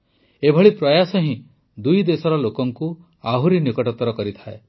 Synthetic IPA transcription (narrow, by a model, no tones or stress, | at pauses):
ebʱɔɭipɾɔjasɔɦĩ | d̪ujd̪esɔɾɔlokɔŋku | aɦuɾinikɔʈɔt̪ɔɾɔkɔɾit̪ʰae